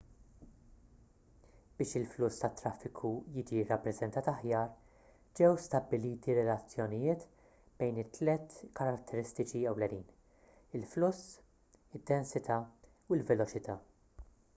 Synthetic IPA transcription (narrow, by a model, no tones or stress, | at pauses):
b̥ɪːʃɪlflʊst̪ɐt̪ːɾɐfːɪkʰujiːd͡ʒirːɐpːɾɛzɛnt̪ɐːt̪ɐħjɐːɾ | d͡ʒɛwst̪ɐbːɪliːt̪iɾɛlɐt͡sːjɔnɪjɪːt̪ | b̥ɛjnɪt̪ːlɛt̪kɐɾɐt̪ʰːɛɾɪst̪ɪt͡ʃiɛwlɛniːn | ɪlflʊsː | ɪd̪ːɛnsɪt̪ʰɐ | uɪlvɛlɔt͡ʃɪt̪ɐː